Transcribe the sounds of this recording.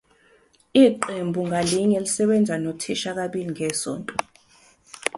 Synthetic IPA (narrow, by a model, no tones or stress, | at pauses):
iːǃembʱuŋʱaliɲɛlisɛɓɛnd͡zʱanotʰiʃak̬aɓiliŋʱɛsɔ̰ːntʼɔ